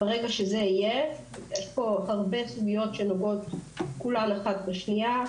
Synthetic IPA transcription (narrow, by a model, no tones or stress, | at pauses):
b̥eʁeɡaʃezeije | jeʃpo̞aʁbe̞suɡijo̞tʃe̞noɡo̞tkulaleχad̚beʃnia